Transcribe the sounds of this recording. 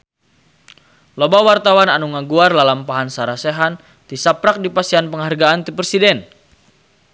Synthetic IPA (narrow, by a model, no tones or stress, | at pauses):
lobawart̪awananuŋaɡuarlalampaɦansaɾasɛɦan | t̪isapɾak̚dipasianpəŋɦarɡaːnt̪ipɛsidɛn